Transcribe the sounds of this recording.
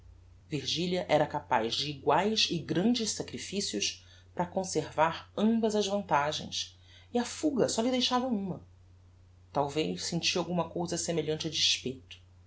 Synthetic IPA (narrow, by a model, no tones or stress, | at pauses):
viɾʒiliɐʔɛɾɐkapa̰jʒd͡ʒɪːɡwajzɪɡɾɐ̃nd͡ʒɪʃsakɾifisijʊʃ | pɾɐkõseɾvaɾɐ̃bɐzɐʒvɐ̃nt̪aʒḛ̃j̃s | iɐfuɡɐsɔlɪd̪ejʃavɐũmɐ | t̪awvejʃsẽnt͡ʃiawɡũmɐkowzɐsemeʎɐ̃t͡ʃɐd͡ʒiʃpejt̪ʊ̥